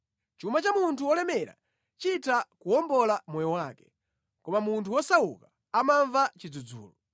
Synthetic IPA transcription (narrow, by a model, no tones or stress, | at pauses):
t͡ʃumat͡ʃamuntʰuwɔlɛmɛɾa̰ | t͡ʃitʰakuɔmbɔlamɔjɔwaːkɛ̥ | kɔmamuntʰuwɔsawṵka | amaɱvat͡ʃid͡zud͡zṵːlɔ